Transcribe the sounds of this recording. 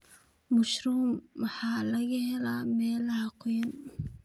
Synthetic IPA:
mʊʃruːmwɑħɑːlɐɣɐhɛlaːmɛːlɐhɐqʰʊjɐn

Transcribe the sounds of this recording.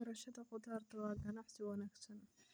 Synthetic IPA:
ɐɾɐʃɐðɐqʊd̪aːrt̪ʰɐwɑːɡɐnɑħsɪwɑnaːɡsɐn

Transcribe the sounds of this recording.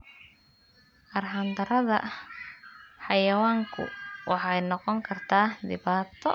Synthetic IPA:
ʔɐrɦɐnd̪ɐɾɐðɐ | ħɑjɐwaːŋkʰʊ̰wʔɑħɑjnɔqɔŋkʰɐrt̪ʰaːd̪ɪβaːt̪ʰɔ

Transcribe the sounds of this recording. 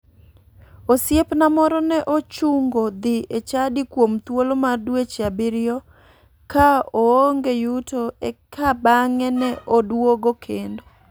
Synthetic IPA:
osjepnamɔɾɔnɛʔot͡ʃuŋɡod̪ɪet͡ʃadikwomt̪wolomadwet͡ʃabɪɾɪɔ | kaooŋɡejutoekʰabaŋɛnɛʔodwoɡokʰendo

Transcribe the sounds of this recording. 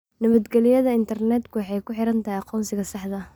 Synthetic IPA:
nɐβɐd̪ɡɛlɪjɐðɐɪnt̪ʰɐrnɛːd̪kʰʊwɑħɑjkʰʊħɪɾɐnt̪ʰɐɦijɑqɔːnsɪɣɐsɑħðɐ

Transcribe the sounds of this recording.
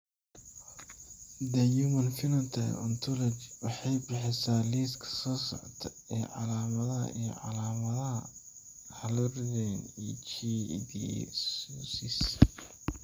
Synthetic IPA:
d̪ɐjumɐnfɪnɐnt̪ʰɐ̰ɔ̰nt̪ʰɔlɐt͡ʃwɑħɑjbɪħɛsaːliːskʰɐ̥sɔːsɔ̰ʕɔt̪ʰɐ | ɛʕɑlaːmɐðɐɦɐ̰ʔḭjɔ̰ʕɑlaːmɐðɐɦɐ̰ | ħɑlʊrdɛnit͡ʃid̪ḭssis

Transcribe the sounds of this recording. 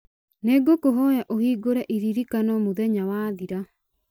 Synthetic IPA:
neɡokoɦɔjaʔohiːɡoɾɛʔiɾiɾikanɔmoðɛɲawaðiɾa

